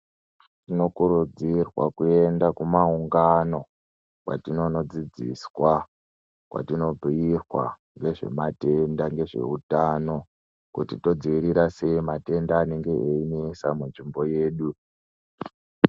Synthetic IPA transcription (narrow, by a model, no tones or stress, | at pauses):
tino̞kuɾud͡zirwa̰kue̞ndakumauŋɡano̞ | kwa̰tino̞no̞d͡zid͡zḭswa | kwʔa̰tino̞b͡vʱiirwa̰ | ŋɡe̞ʐe̞̰mate̞ndaŋɡe̞ʐe̞̰utano̞ | kutito̞d͡ziʋiɾiɾase̞mate̞ndaːne̞ŋɡe̞einesamunʐimbo̞je̞ːɗu